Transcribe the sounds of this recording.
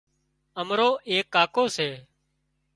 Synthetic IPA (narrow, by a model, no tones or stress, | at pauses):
əmɾoːʔeːkːaːkoːseː